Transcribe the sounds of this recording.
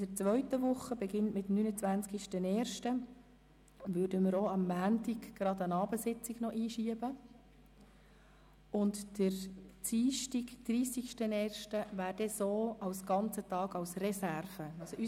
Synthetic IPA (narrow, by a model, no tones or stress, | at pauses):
d̥əɾt͡sʋœʏtəʋʊχːəbɛɡɪntmɪtnynət͡sʋænt͡skiʃtənɛːrʃtə | ʋøːɾdəməɾoɑmːæːntiɡɡ̥ɾɑd̪ənɑːbəsɪt͡sɪɡ̥nɔʔiːʃiəbə | ʊntd̥əɾt͡siːʃtikd̪̥riːsikʃtənɛːrʃtəʋæːɾd̥ɛsoːʔɑwsɡ̥ɑnt͡sətɑːɡɑwsrɛsærvəɑsoy